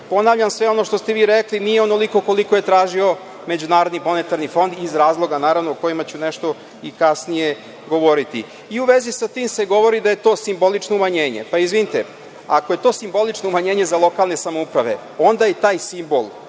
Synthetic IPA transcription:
po̞naːʋʎʲamsʋeo̞no̞ʃt̪o̞st̪eʋiːɾeklinijeono̞liko̞ko̞liko̞je̞t̪ɾaːʒio̞ | me̞d͡ʑunaːɾo̞d̪nimo̞net̪aɾnifo̞nd̪izɾaːzlˠoɡanaːɾaʋnoːko̞jimat͡ɕuneʃt̪o̞ | ikasnije̞ | ɡo̞ʋo̞ɾit̪ḭ | iuʋezisat̪iːmse̞ɡo̞ʋo̞ɾid̪aje̞t̪o̞ːsimbo̞lit͡ʃnoumaɲe̞ːɲe̞̰paizʋinit̪e | a̰koje̞t̪o̞ːsimbo̞lit͡ʃnoumaɲe̞ːɲezalˠo̞kaːlˠne̞samoupɾaʋe̞̰ | o̞nd̪ajet̪aːjsimbo̞̰lˠ

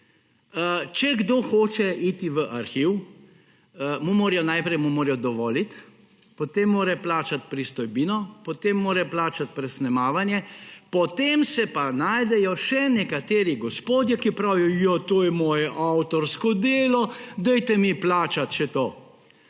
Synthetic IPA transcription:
t͡ʃɛɡd̪oːxoːt͡ʃɛit̪iʋəʔaɾxiw | mumoːɾjɔnaːjpɾɛjmumoːɾjɔd̪ɔʋɔːlit̪ | pɔt̪eːmːoːɾɛplaːt͡ʃat̪̚pɾist̪ɔjbiːnɔpɔt̪emːoːɾɛplaːt͡ʃat̪̚pɾɛsnɛmaːʋanjɛpɔt̪eːmsɛpanaːjd̪ɛjɔʃɛnɛkat̪eːɾiɡɔspoːd̪jɛkipɾaːwijɔjat̪oːjɛmɔːjɛʔawt̪ɔɾskɔd̪eːlɔd̪ɛjt̪ɛmiplaːt͡ʃat̪ʃɛt̪oː

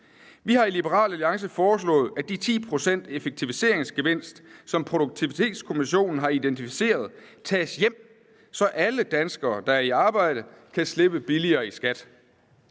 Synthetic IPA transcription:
ʋihɑ̈ilib̥əʁɑ̰̈ːlæliɑ̈ŋs̬əfɒːslɔ̰̽ːð̩ˠæd̥it͡sʰḭːpʰʁo̝sen̰d̥e̝feɡ̥̚t͡sʰiʋise̝ɐ̰eŋsɡ̥e̝ʋe̝n̰sd̥sɒ̽mpʰʁo̝d̥uɡ̥̚t͡sʰiʋit͡sʰe̝̰ːd̥skʰo̝miɕo̝̰ːnn̩ɦɑ̈id̥ent͡sʰifi̥se̝̰ːɐð̞ˠt͡sʰɛːsjem̰ | sɒ̽ʔæləd̥ænsɡ̥ɐːd̥ɑ̈æɐiɑ̈ːb̥ɑ̈ɪ̰d̥ə | kʰæsle̝b̥əb̥iliɐːisɡ̥æd̥

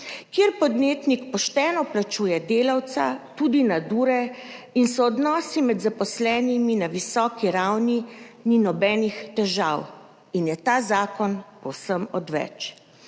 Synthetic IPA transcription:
kjeɾpɔd̪neːt̪nikpɔʃt̪ɛːnɔplat͡ʃuːjɛd̪eːlawt̪sa̰t̪uːd̪inad̪uːɾɛ | insɔːd̪nɔːsimɛd̪zapɔslɛːniminaʋisɔːkiɾawnininɔbɛːnixt̪ɛʒaw | injɛt̪aːzaːkɔnpɔwsəmɔd̪ʋɛ̰t͡ʃ

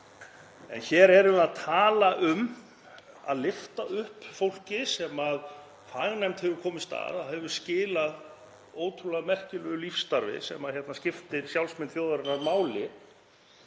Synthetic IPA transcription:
ɛ̰nçɛːɾɛɾʏaðt̪ʰaːlaʔʏm | a̰ðlɪft̪aʔʏhpfowl̥cɪsɛmað | faɣnajmt̪hɛvʏɾkʰɔːmɪst̪a̰ðaðhɛvʏ̥scɪːlað | oːwt̪ʰɾulaðmɛr̥cɪlœʏlifst̪aɾvɪ̰sɛ̰maçjɛt̪nascɪft̪ɪɾsjawlsmɪnt̪fjoːwðaɾɪnaɾmaːwlɪ

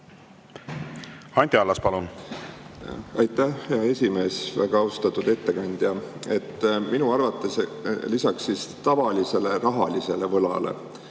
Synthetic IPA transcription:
hɑnʲt̪ʲiɑlːɑspɑlun | ɑjt̪ːˑæhheɑe̞sʲime̞ːsvækɑɑowst̪ɑt̪ːud̪e̞t̪ːe̞kɑnʲd̪̥jɑe̞t̪ːminuɑrvɑt̪ːˑe̞slisɑksːist̪ɑvɑlise̞le̞ɾɑɦɑlise̞le̞vɤlɑ̰le̞̰

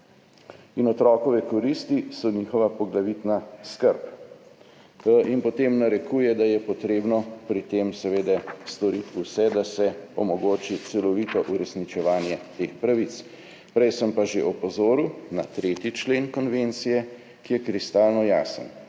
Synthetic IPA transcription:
inɔt̪ɾɔkɔʋɛkɔɾist̪isɔniːxɔʋapɔɡlaʋit̪naskəɾp | inpɔt̪eːmnaɾɛkujɛd̪ajɛpɔt̪ɾeːbnɔpɾit̪emsɛʋeːd̪ɛst̪ɔɾit̪usɛd̪asɛɔmɔɡoːt͡ʃit̪sɛlɔʋit̪ɔʔuɾɛsnit͡ʃɛʋaːnjɛt̪eːxpɾaʋit̪s | pɾɛjsəmpaʒeʔɔpɔzoːɾiwna̰t̪ɾeːt̪it͡ʃleːnkɔnʋent̪sijɛ | kijɛkɾist̪aːlnɔjaːsə̰n

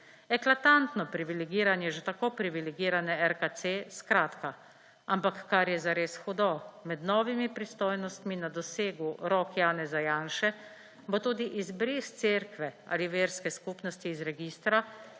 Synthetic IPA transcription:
ɛklat̪ant̪nɔpɾiʋilɛɡiːɾanjɛʒɛt̪akoːpɾiʋilɛɡiːɾanɛɛɾkat̪seskɾaːt̪ka | ampakːaɾjɛzaɾeːsxud̪ɔmɛd̪nɔːʋimipɾist̪oːjnɔst̪minad̪ɔseːɡuɾɔːkjaːnɛzajaːnʃɛ | bot̪uːd̪iʔizbɾist̪seɾkʋɛa̰ːliʋeːɾskɛskuːpnɔst̪iːzɾɛɡiːst̪ɾa

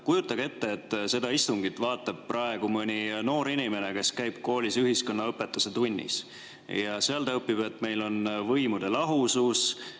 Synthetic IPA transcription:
kujut̪ːˑɑɡ̥e̞t̪ːe̞ːt̪ːˑse̞d̪ɑist̪uŋɡit̪ːˑvɑːt̪ˑːɑb̥̚prʔɑe̞ɡ̥umɤnʲino̞ːɾinʲime̞ne̞ke̞skæjb̥̚ko̞ːlʲisyɦisko̞nːɑɤpːe̞t̪ːˑuse̞t̪unʲːḭs | jɑseɑlt̪ɤpːib̥e̞t̪ːˑme̞jlo̞nvɤjmud̪̥e̞lɑɦusus

